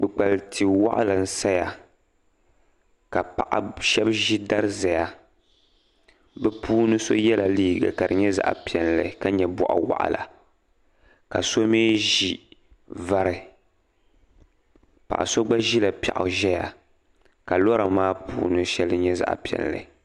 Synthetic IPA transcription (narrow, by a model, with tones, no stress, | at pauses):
ɡ͡bɨ˨k͡pa˨lti˨wa̰˦ʔa̰˦lɨ˨n̩˦sa˦ja˨ | ka˨pa̰˨ʔa̰˨ʃɛ˦bʒi˦da˦ɾɨ˦za˨ja˨ | bɛ˦puː˦nɨ˦so˦jɛ˦la˨liː˦ɡa̰˨ka˨ɾɨ˨ɲɛ˦za̰˨ʔa̰˨pi˨ɛ˨nlɨ˨ka˦ɲɛ˨bɔ˨ʔa̰˨wa̰˦˨ʔa̰˨la̰˨ | ka˨so˦meː˦ʒi˦ | va˦ɾɨ˨ | pa̰˨ʔa̰˨so˦ɡ͡ba˦ʒi˦la˨pa̰˨ʔʊ˨ʒɛ˦ja̰˨ | ka˨lɔ˦ɾa˨maː˦pṵː˦nɨ˦ʃɛ˦lɨ˦ɲɛ˦za̰˨ʔpi˨ɛ̰˨nlɨ̰˨